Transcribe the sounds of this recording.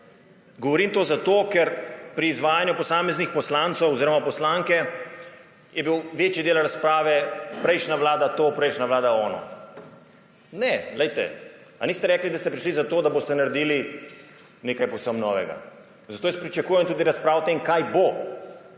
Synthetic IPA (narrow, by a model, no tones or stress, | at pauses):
ɡɔʋɔɾiːmt̪ozat̪oːkɛɾpɾiːzʋaːjanjupɔsaːmɛznixpɔslant̪sowɔziːɾɔmapɔslaŋkɛ | jɛbiwʋeːt͡ʃid̪eːlaɾaspɾaːʋɛpɾɛjʃnaʋlaːd̪at̪oːpɾɛjʃnaʋlaːd̪aɔːnɔ̰ | nɛlɛjt̪ɛ̰ | aniːst̪ɛɾɛːklid̪ast̪ɛpɾiʃlizat̪od̪aboːst̪ɛnaɾɛd̪iːli | neːkajpɔwsəmnɔːʋɛ̰ɡa̰ | zat̪oːjaspɾit͡ʃakuːjɛnt̪uːd̪iɾaspɾaːwt̪eːmkajbo